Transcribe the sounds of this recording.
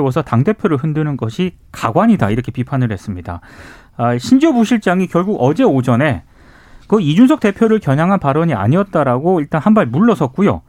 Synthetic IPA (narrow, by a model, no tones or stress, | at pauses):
wʌs̬ʰʌtaŋde̞pʰjoɾɯɭhɯndɯnɯnɡʌɕʰikaɡwaɲidaiɾʌkʰe̞pipʰanɯɭhe̞s͈ɯmɲida̰ | aɕʰind͡ʑobuɕʰiɭt͡ɕ͈aŋikjʌɭɡuɡʌd͡ʑe̞od͡ʑʌne̞ | kɯid͡ʑunsʰʌk̚t͈e̞pʰjoɾɯɭkjʌɲaŋɦanpaɾʌɲia̰ɲiʌt̚t͈aɾaɡoiɭt͈anhanbaɭmuɭːʌsʰʌt̚k͈ujo̰